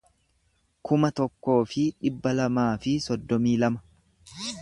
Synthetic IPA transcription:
kʊmɐt̪ɔkːo̞ːfɪᶑɪbːɐlɐmaːfɪsɔd̪ːɔmiːlɐmɐ̥

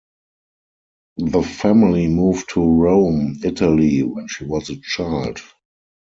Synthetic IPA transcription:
ðəfæmɪlimuːvtʰuɹõʊ̃mɪtʰəliwɛ̃nʃiːwɔzət͡ʃaɪld

